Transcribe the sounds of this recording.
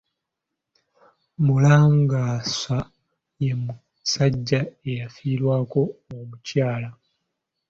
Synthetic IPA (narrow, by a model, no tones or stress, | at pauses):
mulaːŋɡaːsa | je̞mu | saɟːae̞jafiːɾwaːko̞ːmucaːla